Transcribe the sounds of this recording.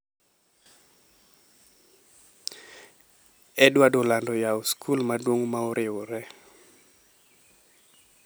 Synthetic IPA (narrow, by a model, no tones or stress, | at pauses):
ɛdwadolandɔjaoskʰulmadwoŋmaoɾʔɪoɾɛ